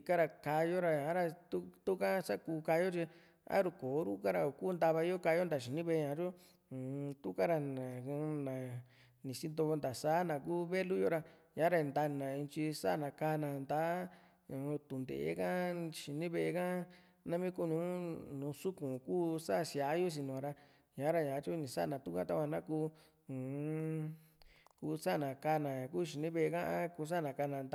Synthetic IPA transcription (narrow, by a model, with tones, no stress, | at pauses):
i˨ka˦ɾa˧ka˧jo˦ɾa˧ã˨˦ɾa˧t̪u˦t̪u˦ka˦sa˦kuː˧ka˧jo˦t͡ʃi˧ | a̰˦ɾu˧koː˨˦ɾu˦ka˦ɾa˧o˨kuː˦˧nd̪a˧βa˧˦o˦ka˧jo˦nd̪a˨ʃ̬i˨nĩ˦βe˧ɲã˨ɾo˦˨ | t̪u˦ka˦ɾa˧˨nã˨u˧nã˨ | nĩ˨si˦nd̪o˧nd̪a˨sa˦nã˨kuː˦βe˦lu˦jo˦ɾa˧ɲã˨˦ɾa˧nd̪a˧nã˨ĩ˧t͡ʃi˧sa̰˦˨nã˨ka˧nã˨nd̪a˦ | ũ˧˨˧t̪u˨nd̪ḛ˨ḛ˦kã˦ʃi˨nĩ˦βe˧e˧kã˦ | nã˦mĩ˦ku˦nũː˨˦nũː˨˧su˦kũ˨kuː˦sa˦˨sja˨˦jo˦s̬i˧nũ˨ã˧ɾa˧ | ɲã˨˦ɾa˧ɲã˨˦t͡ʃu˦nĩ˨sa̰˦˧˨nã˨t̪u˦kã˦t̪a˦kʷã˧nã˦kuː˦˧ | u˨ | kuː˧sa˦˨nã˨ka˧nã˨ã˨kuː˦ʃ̬i˨nĩ˦βe˧˨˧kã˦ʔa˦kuː˧s̬a˦˨nã˨ka˧nã˨˧nd̪